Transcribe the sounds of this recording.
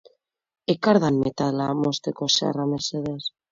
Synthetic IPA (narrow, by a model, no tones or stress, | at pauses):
ekaɾðanmet̪alamost̪ekosa̰rameseðes